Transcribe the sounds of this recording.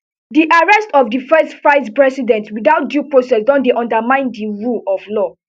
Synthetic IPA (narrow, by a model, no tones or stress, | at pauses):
diʔaɹɛstɔfdifɛstfɹaɪzpɹɛsidɛ̃ntwidaʊt̚djupɹosɛsdɔ̃ndeʔɔ̃ndamãɪ̃ndiɹulɔflɔ